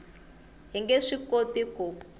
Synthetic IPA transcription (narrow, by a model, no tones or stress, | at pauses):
ɦiŋɡeʂikotiku